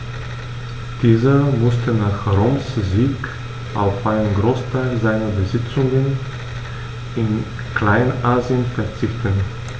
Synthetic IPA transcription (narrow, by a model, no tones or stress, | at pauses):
d̥iːzɐmʊstənaːχʁoːmsziːk | ʔa̰ʊfʔaɪnənɡʁoːstʰaɪlzaɪnɐbəzɪt͡sʊŋən | ʔɪn | kl̥aɪnʔaːziənfɛɐt͡sɪçtən